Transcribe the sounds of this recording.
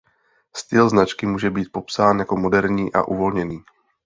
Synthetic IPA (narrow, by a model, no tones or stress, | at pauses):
st̪ɪlznat͡ʃkɪmuːʒɛbiːt̪̚po̞psaːnjako̞mo̞dɛɾɲiːʔa̰ʔuvo̞lɲɛniː